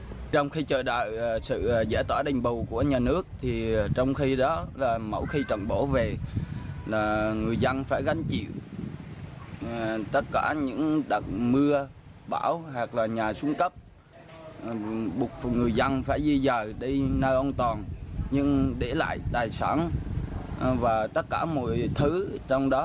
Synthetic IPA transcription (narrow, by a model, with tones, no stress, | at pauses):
t͡ɕɔ˧wŋ͡mxi˧t͡ɕəː˨˩ɗa̰ː˧˨jsɨ̰˧˨˩zɛ˧˩t̪waː˧˩ɗa˨˩ŋ̟ɓʊ˨˩wku˧˩əɲaː˨˩nɨ˦˥ək̚t̪ʰi˨˩˨t͡ɕɔ˧wŋ͡mxi˧ɗɔ˨˦laː˨˩mə̰˧˩wxi˧t͡ɕə̰˧˨nɓo˧˩ve˨˩ | laː˨˩ŋɨ˨˩əjzə˧nfaː˧˩jɣa˨˦ŋ̟t͡ɕḭ˧˨w | t̪ə˦˥t̚kaː˧˩ɲɨ̰˧˥ŋɗa˨˩k̚mɨ˧ə | ɓaː˧˩wɦaː˨˩k̚laː˨˩ɲaː˨˩su˧˦ənkə˦˥p̚ | ɓʊ˨˩k͡p̚ŋɨ˨˩əjzə˧nfaː˧˩jzi˧zəː˨˩ɗi˧nəː˧˩ʔə˧wnt̪ɔ˨˩nɲɨ˧ŋɗe˧˩la̰ː˧˨jt̪aː˨˩jsa̰ː˧˩n | vaː˨˩t̪ə˦˥t̚kaː˧˩mo̰˧˨jt̪ʰɨ˨˦t͡ɕɔ˧wŋ͡mɗɔ˨˦